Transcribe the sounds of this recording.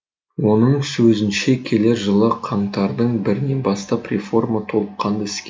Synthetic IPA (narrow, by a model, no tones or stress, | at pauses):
wo̞nəɴsɵzɪnʃe̞kʲʰe̞leɾʒəlˠəqʰɑɴt̪ɑɾd̪əɴbɪɾɪne̞bɑst̪ɑprʲefo̞rmat̪ʰo̞lˠəqqʰːɑnd̪əɪskʲe